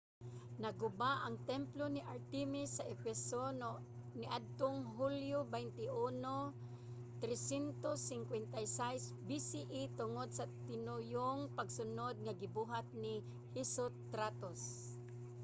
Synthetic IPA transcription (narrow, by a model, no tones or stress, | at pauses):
nɐɡʊbaʔɐŋt̪ɛmplonɪʔaɾt̪ɛmɪsːɐʔɛfɛson | nɪʔad̪̚t̪oŋɦuljobɛjnt̪ɪʔuno | t̪ɾɛsɛnt̪osːɪŋkwɛnt̪ajsajsbisiʔit̪ʊŋod̪̚sɐt̪ɪnʊjoŋpɐɡsʊnod̪̚ŋɐɡɪbuɦat̪̚nɪ | hisot̪ɾat̪os